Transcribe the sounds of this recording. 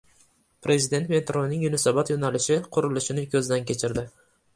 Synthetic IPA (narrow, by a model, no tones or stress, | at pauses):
pʰɾʔe̞zɪd̪e̞nt̪me̞t̪ɾonɪŋjʊnasabat̪jonalɪʃɪqʰʊɾʊlɪʃɪnɪkʲʰɵzd̪ankʲʰe̞t͡ʃʰɪɾd̪ɪ